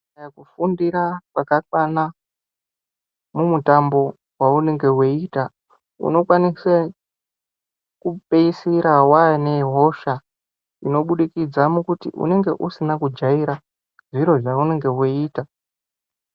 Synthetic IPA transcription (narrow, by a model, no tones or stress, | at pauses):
jakufundiɾakwakakwana | mumutambo̞ | waune̞ŋɡe̞weita | ṵno̞kwanisa | kupeisiɾawane̞ɦo̞ʃa | ino̞ɓuɗikid͡zamukutḭʔṵne̞ŋɡe̞ʔusinakud͡ʒaiɾa | ʐiɾo̞ʐaune̞ŋɡe̞ɦweiːta